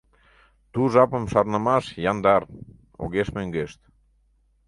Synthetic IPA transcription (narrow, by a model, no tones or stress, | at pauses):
t̪uʒɑpə̆mʃɑrnə̆mɑʃjɑnd̪ɑr | o̰ɣeʃmøŋɡeʃt̪